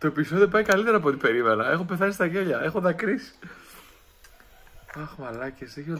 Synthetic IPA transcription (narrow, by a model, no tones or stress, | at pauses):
t̪o̞episo̞ðio̞pɐjkɐlit̪e̞ɾɐːpo̞t̪ibe̞ɾimenɐe̞xo̞pe̞θɐsist̪ɐʝeʎɐe̞xo̞ðɐkɾisi̥ | ɐxmɐlɐceseço